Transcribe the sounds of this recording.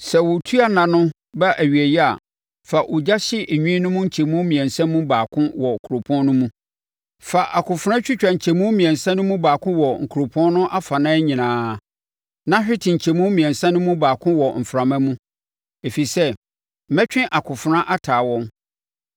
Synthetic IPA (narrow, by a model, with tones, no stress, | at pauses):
sɛ˨wʊ˨tʰu˦a˦nã˨nʊ̃˦ | ba˦ʔæ˨ɥɥæ˨ji˦a˨ | fa˨ʔʊ˨d͡ʑa˦ɕɪ˦ʔe˨ɲᶣũ˦nʊ̃˦mũ˦ɲ̩˨t͡ɕʰe˨mũ˦mĩ˨ɛ̃˨nsã˦mũ˦baː˨kʰʊ̃˦wɔ˨kʰu˨ɾo˨pʰɔ̃˦nnʊ̃˦mũ˦ | fa˨ʔa˨kʰʊ̃˨fʊ˦ɾã˦t͡ɕᶣɪ˦t͡ɕᶣa˨ɲ̩˨t͡ɕʰɛ˨mũ˦mĩ˨ɛ̃˨nsã˦nʊ̃˦mũ˦baː˨kʰʊ̃˦wɔ˨ŋ̩˨kʰu˨ɾo˨pʰɔ̃˦nnʊ̃˦ʔa˦fa˨nãː˦ɲĩ˨nãː˦˨ | nã˦ɕᶣɪ˦tʰɪ̃˨ɲ̩˨t͡ɕʰe˨mũ˦mĩ˨ɛ̃˨nsã˦nʊ̃˦mũ˦baː˨kʰʊ̃˦wɔ˨m̩˨fɾa˨mã˦mũ˦ | e˨fi˨sɛ˦˨ | mɛ̃˦t͡ɕᶣɪ̃˦ʔa˨kʰʊ˨fʊ˨˦ɾã˦ʔa˦tʰaː˨wɔ̃˦m